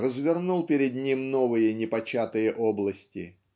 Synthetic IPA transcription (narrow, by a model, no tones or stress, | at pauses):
rəzvʲɪrnulˠpʲɪɾʲɪd̪nʲimno̞vɨjənʲɪpɐt͡ɕat̪ɨjəʔoblˠəsʲtʲɪ̰